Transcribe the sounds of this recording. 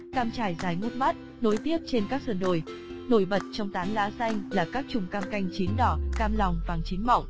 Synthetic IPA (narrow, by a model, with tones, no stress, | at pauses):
kaː˧mt͡ɕaː˧˩jzaː˨˩jŋu˦˥t̚ma˦˥t̚ | no˨˦jt̪i˦˥əp̚t͡ɕe˧nkaː˦˥k̚sə˧˩nɗo˧˩j | no˧˩jɓə˨˩t̚t͡ɕɔ˧wŋ͡mt̪aː˨˦nlaː˨˦sa˧jŋ̟laː˨˩kaː˦˥k̚t͡ɕʊ˨˩ŋ͡mkaː˧mka˧jŋ̟t͡ɕi˨˦nɗɔ˧˩kaː˧mlɔ˨˩wŋ͡mvaː˨˩ŋt͡ɕi˨˦nmɔ̰˧˨wŋ͡m